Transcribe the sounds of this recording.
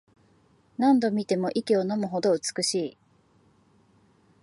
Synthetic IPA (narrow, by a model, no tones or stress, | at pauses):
nãnd̪o̞mʲit̪e̞mo̞ʔikʲio̞no̞mɯ̟ɦo̞d̪o̞ɯ̟t͡sɨ̥kɯ̟ɕiː